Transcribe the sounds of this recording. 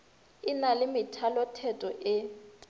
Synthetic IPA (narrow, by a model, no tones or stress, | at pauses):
ɪnalɪmɪtʰalɔtʰɛtʼɔʔɪ